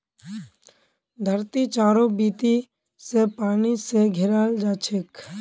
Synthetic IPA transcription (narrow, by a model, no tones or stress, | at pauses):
d̪ʱəɾt̪it͡ʃaːɾobiːt̪i | sepaːniseɡʱɪɾaːld͡ʒaːt͡ʃʰek